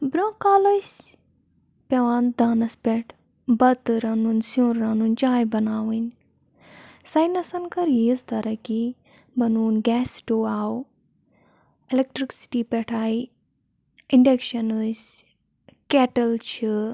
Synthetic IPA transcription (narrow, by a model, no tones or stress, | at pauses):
bɾõːkaːlɐsʲ | pʲɐʋaːnd̪aːnɐspʲɛʈʰ | bɐt̪ɨɾɐnunsũːɾːɐnunʲt͡ʃaːjbɐnaːwɨnʲ | sɐjnɐsɐnkɐɾjiːst̪ɐɾɐkʲi | bɐnuːnɡʲɛːsʈoːaːw | ilek̚ʈɾiksi̥ʈiːpʲɛʈʰaːi | iɳɖekʃɐnɨsʲ | kɛʈɐlt͡ʃʰi